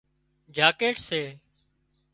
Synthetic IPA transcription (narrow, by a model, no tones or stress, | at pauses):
d͡ʒaːkeːʈseː